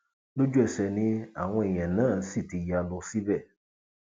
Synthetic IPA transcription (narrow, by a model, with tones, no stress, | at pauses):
lo˦d͡ʒu˦ɛ˨sɛ˨nĩ˦a̰˨wɔ̃˦ɛ˨ɲ˨ɛ̃˨nãː˦˨si˦˨ti˨ji˨a˨lɔ˨si˦bɛ˦˨